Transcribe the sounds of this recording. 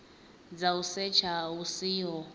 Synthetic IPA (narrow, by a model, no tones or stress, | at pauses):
d͡zausɛt͡ʃʰausiɔ